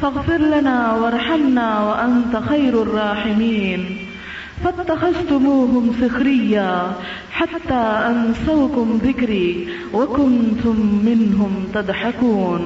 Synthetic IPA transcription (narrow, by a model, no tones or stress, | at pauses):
faɣfɪɾlanaːwɑɾˤħamnaːwaʔant̪axajɾɑrˤːɑːħɪmiːn | fat̪ːaxazt̪ʊmuːɦʊmsɪxɾɪjːaː | ħat̪ːaːʔansawkʊmðɪkɾiː | wakʊnt̪ʊmːɪnɦʊmt̪ad̪ħakuːn